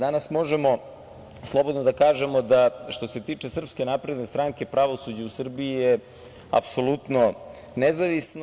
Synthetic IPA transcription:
d̪anasmo̞ʒemo̞ | slˠo̞bod̪nod̪akaːʒemo̞d̪aʃt̪o̞se̞t̪iːt͡ʂe̞sr̩pske̞napɾe̞d̪nest̪ɾaŋke̞pɾaʋo̞sud͡ʑeusr̩biije | a̰pso̞lut̪no̞ | nezaʋisn

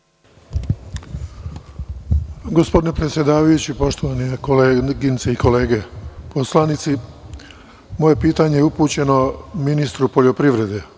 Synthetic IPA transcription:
ɡo̞spo̞d̪inepɾet̪sje̞d̪aːʋajut͡ɕipo̞ʃt̪oʋaniekoleːɡint̪seiko̞le̞ːɡe̞po̞slanit̪si | mo̞je̞piːt̪aɲejeupuːt͡ɕe̞no̞minist̪ɾupo̞ʎo̞pɾiʋɾe̞d̪e

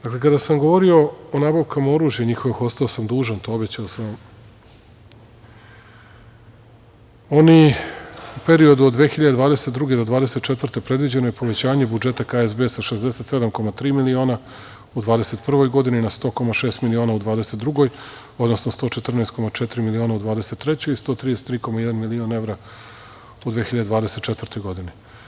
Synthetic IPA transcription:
d̪akle̞kad̪asamɡo̞ʋo̞ɾio̞onaːbaʋkamao̞ɾuːʒjeɲixo̞ʋixo̞st̪aosamd̪uːʒant̪oobet͡ɕaosam | oni | upe̞ɾio̞d̪ud̪d̪ʋeːxiʎad̪ed̪ʋaːd̪eset̪d̪ɾuɡed̪o̞d̪ʋaːd̪e̞set̪̚t͡ʃe̞t̪ʋr̩t̪e̞pɾe̞d̪ʋid͡ʑe̞nojepo̞ʋe̞t͡ɕaːɲe̞bud͡ʒe̞t̪akaezbesaʃezd̪ese̞t̪se̞d̪amko̞mat̪ɾiːmilio̞ːna | ud̪ʋaːd̪ese̞t̪pr̩ʋo̞jɡo̞d̪ininast̪o̞ːko̞maʃe̞ːst̪milionaud̪ʋaːd̪ese̞t̪d̪ɾuɡo̞j | o̞d̪no̞snost̪o̞ːt͡ʃe̞t̪r̩naːst̪̚ko̞mat͡ʃet̪iɾimilio̞ːnaud̪ʋaːd̪ese̞t̪ːɾe̞t͡ɕojist̪ot̪ɾijst̪ɾiːko̞majd̪anmilione̞vɾa | ud̪ʋeːxiʎad̪evaːd̪ese̞t̪̚t͡ʃet̪vər̩t̪o̞jɡo̞d̪ini

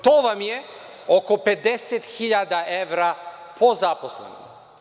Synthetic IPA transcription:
t̪ovamjɛ | ɔkɔpɛd̪ɛsɛt̪xiʎad̪aɛvɾapʰozaposlɛ̰nɔ̰

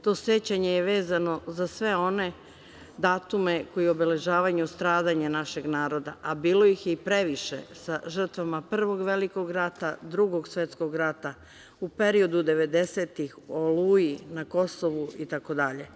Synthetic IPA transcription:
t̪o̞ːsjet͡ɕaɲejeʋe̞ːzano̞zasʋe̞o̞ne̞ | d̪aːt̪umeko̞jio̞be̞le̞ʒaːʋaɲust̪ɾaːd̪aɲenaʃe̞ɡnaːɾo̞d̪a̰ʔabiːlo̞jixjeipɾe̞ʋiʃḛsaʒr̩t̪ʋamapr̩ʋo̞ɡʋe̞liko̞ɡɾat̪ad̪ɾuɡo̞ɡsʋe̞t̪sko̞ɡɾat̪a | upe̞ɾio̞d̪ud̪e̞ʋe̞d̪e̞set̪ixoluːjinako̞soʋuit̪ako̞d̪aʎe

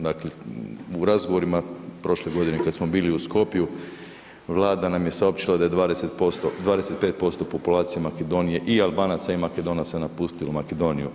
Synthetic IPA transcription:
d̪akleuɾazɡo̞ʋo̞ɾimapɾo̞ʃleɡo̞d̪inekad̪smo̞biːliusko̞pju | ʋlˠaːd̪anamje̞sao̞pt͡ɕilˠad̪aje̞d̪ʋaːd̪ese̞t̪post̪od̪ʋaːd̪ese̞t̪̚pe̞t̪̚po̞st̪o̞po̞pulaːt̪sijemaked̪o̞nije̞ʔialbaːnat̪saimaked̪o̞nasanapust̪ilomaked̪o̞ːniju

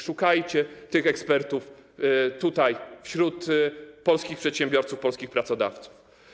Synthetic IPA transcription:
ʂukajt͡ɕɛt̪ɘxɛkspɛɾt̪uft̪ut̪ajfɕɾut̪pɔlskʲixpʂɛt̪ɕɛmbʲjɔɾt̪sufpɔlskʲixpɾat̪sɔd̪a̰ft̪su̥f

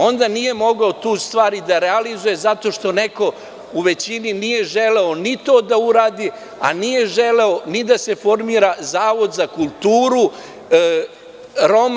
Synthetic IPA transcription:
o̞nd̪aniːje̞mo̞ɡaot̪uːst̪ʋaːɾid̪aɾealizuje̞zat̪o̞ʃt̪o̞neko̞ | uʋe̞t͡ɕininije̞ʒele̞o̞nit̪o̞ːd̪auɾaːd̪i | a̰nije̞ʒeleonid̪ase̞fo̞ɾmiːɾazaːʋo̞d̪zakulˠt̪uːɾu | ɾo̞m

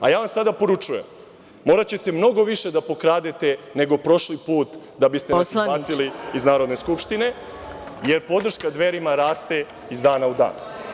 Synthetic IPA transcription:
a̰jaːʋamsad̪apo̞ɾut͡ʃuje̞mː | o̞ːɾat͡ɕe̞t̪e̞mno̞ɡo̞ʋiʃe̞d̪apo̞kɾaːd̪et̪e̞ne̞ɡo̞pɾo̞ʃlipuːt̪ | d̪abist̪ebaːsiliiznaːɾod̪neskupʃt̪ine̞ | je̞ɾpo̞d̪r̩ʃkad̪ʋe̞ɾimaɾaːst̪e̞ | izd̪aːnaud̪a̰ːn

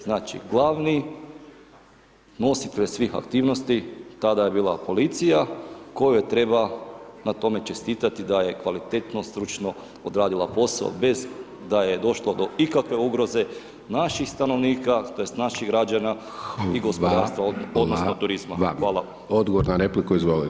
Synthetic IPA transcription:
znaːt͡ʃḭɡlˠaʋni | no̞sit̪eʎsʋiːxa̰kt̪iːʋnost̪it̪ad̪aje̞biːlˠa̰po̞lit̪sijako̞jujet̪ɾe̞banat̪o̞me̞t͡ʃe̞st̪iːt̪at̪id̪aje̞kʋalit̪et̪no̞st̪ɾut͡ʃno̞ | od̪ɾaːd̪ilˠapo̞sa̰o̰be̞z | d̪aje̞d̪o̞ʃlˠod̪o̞ikakʋe̞uɡɾo̞ze̞ | naʃixst̪ano̞ʋniːkat̪ojest̪naʃiɣɡɾad͡ʒana | iɡo̞spod̪aːɾst̪ʋaood̪nosnot̪uɾizma̰xʋaːlˠaamod̪ɡoʋoɾnaɾeplikuizʋoli

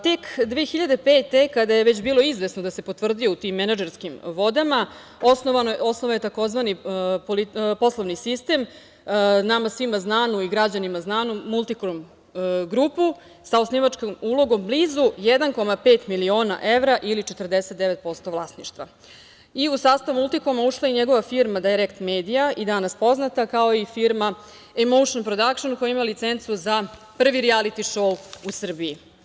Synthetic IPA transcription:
t̪ekd̪ʋeexiʎad̪e̞peːt̪e̞kad̪ajeʋet͡ɕbiːlo̞izʋesnod̪ase̞pot̪vr̩d̪ijout̪imːenad͡ʒeɾskimʋo̞d̪ama | osnoʋaosnoʋaje̞t̪ako̞zʋanipolipo̞slˠoʋnisist̪e̞m | namasʋimaznaːnuiɡɾad͡ʑanimaznaːnumulˠt̪ikɾom | ɡɾupu | saosniʋat͡ʂkomulˠo̞ɡo̞mbliːzujed̪anko̞mapeːt̪milio̞ːna̰ʔe̞ʋɾaʔilit͡ʃet̪r̩d̪eset̪̚d̪eʋet̪̚po̞st̪oʋlˠaːsniʃt̪ʋa̰ | iusaːst̪aʋumulˠt̪ikomauʂlˠaiɲeɡo̞ʋafiɾmad̪ajɾekt̪me̞ːd̪ijaid̪anaspo̞znat̪akaoifiɾma | emowʃonpɾod̪akʃonkojaimalit̪sent̪suzapr̩ʋiɾialit̪iʃouusr̩bii

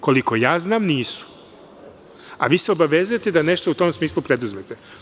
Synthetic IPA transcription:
ko̞liko̞jaːznaːmniːsu̥ | a̰ʋiːseo̞baʋe̞zuje̞t̪ed̪ane̞ʃt̪out̪o̞msmiːslˠupɾe̞d̪uzmet̪e

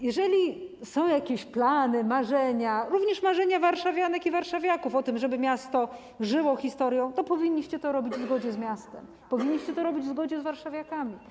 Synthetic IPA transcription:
jɛʐɛlʲisɔ̃w̃jakʲeɕplanɘmaʐɛɲaɾuvɲɛʂmaʐɛɲavaɾʂavʲjanɛkivaɾʂavʲjakufɔt̪ɘmʐɛbɘmʲjast̪ɔ | ʐɘwɔxʲist̪ɔɾjɔ̃w̃t̪ɔpɔvʲiɲːiɕt͡ɕɛt̪ɔɾɔbʲid͡ʑvzɡɔd͡ʑɛzmʲjast̪ɛ̰m | pɔvʲiɲːiɕt͡ɕɛt̪ɔɾɔbʲid͡ʑvzɡɔd͡ʑɛzvaɾʂavʲjakamʲi

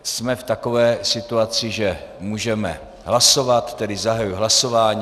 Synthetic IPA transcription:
smɛft̪ako̞vɛːsɪt̪uat͡sɪʒɛmuːʒɛmɛ̰ | ɦlaso̞vat̪ːɛdɪzaɦajujɦlaso̞vaːɲː

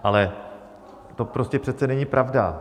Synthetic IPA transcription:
ʔalɛ | t̪o̞pɾo̞scɛpr̝̥ɛt̪̚t͡sɛnɛɲɪpɾʔavda̰

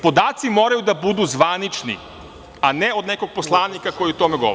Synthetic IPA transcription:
po̞d̪aːt̪simoːɾajud̪abud̪uzʋanit͡ʃnḭ | aneo̞d̪neko̞ɡ̚poslˠaːnikako̞jiut̪omeɡo

